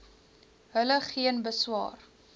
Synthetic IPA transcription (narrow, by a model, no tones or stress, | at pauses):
ɦələχiənbəswɑ̰ːr